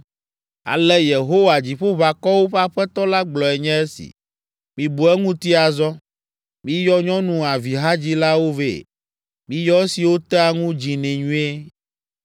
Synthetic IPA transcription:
a̰˨lɛ˦je˨ɦo˦wa˨d͡ʑi˨ɸo˦βa˨kɔ˦wo˦ɸa˦ɸɛ˦t̪ɔ˦la˦ɡ͡blɔ˨ɛ˨ɲɛ̃˦e˦sḭ˨ | mĩ˨bu˨ɛ˦ŋũ˦t̪i˦a˨zɔ˦ | mĩ˦jɔ˦ɲɔ̃˦nũ˨a˨vi˨ɦa˦d͡ʑi˦la˦wo˦vḛ˨ | mĩ˦jɔ˦si˨wo˦t̪ɛ˦a˨ŋũ˦d͡ʑi˨nɛ̃˨ɲũ˦e˦

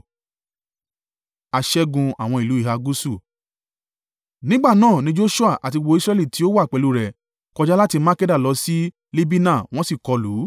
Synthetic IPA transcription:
a˧ʃɛ˦ɡũ˧a̰˨w̃ɔ̃˧i˨lu˨˦i˦˨ɦa˧ɡu˦su˦˨ | nĩ˦ɡ͡ba˦˨nãː˦˨nĩ˨˦d͡ʒo˦ʃu˦a˦˨ʔa˨ti˧wo˧˦i˦sɾɛ˦li˦˨ti˨˦o˦wa˦˨k͡pɛ˨lu˧ɾɛ˨ | kɔ˧d͡ʒa˦la˦ti˧mã˦kɛ˦da˦˨lɔ˧˦si˦ | le˦bi˦nã˦˨w̃ɔ̃˦si˦˨kɔ˧lu˨˦

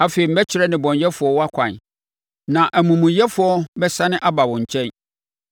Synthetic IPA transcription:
a˨fe˨i˨m̩˦bɛ˦t͡ɕʰɪ˨ɾɛ˦nɪ̃˨bɔ̃˨ɲjɛ˦fʊ˨ɔ˦wɔ˦a˦kʰʷã˨n | nã˨ʔæ˨mũ˨mũ˨jɛ˦fʊ˨ɔ˦bɛ˦sa˦nɪ̃˦ʔa˦ba˨wʊ̃˨ɲ̩˨t͡ɕʰɛ̃˦n

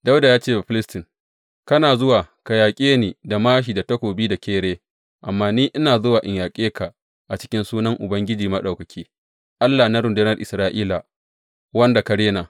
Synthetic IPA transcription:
da˦wda˨jaː˦t͡ʃeː˦˨ba˨ɸɪ˦lɪ˦stɪ˨ŋ | kɐ˦naː˨zʊ˦waː˨ka˨jaː˨kʲʼeː˦niː˨da˨maː˦ʃ̬iː˨da˨tɐ˦kʷoː˨biː˦da˨kʲeː˦ɽeː˦ | ʔa˨mːaː˦niː˦ʔɪ˦naː˨zʊ˦waː˨ʔɪ˨ɲjaː˨kʲʼeː˦ka˨ | ʔa˨t͡ʃɪ̥˦kʲɪ˦nsuː˦nɐ˦ŋʔʊ̰˨bɐ˦ŋɡʲɪ˦d͡ʒiː˨mɐ˦ɗa˨wkɐ˨kʲʰiː˦ | ʔa˦lːa˨na˦ɾʊ˨ndʊ˦nɐ˦rʔɪ˨sɾaː˦ʔiː˦la˨ | wɐ˦nda˨kɐ˨ɽeː˦naː˨

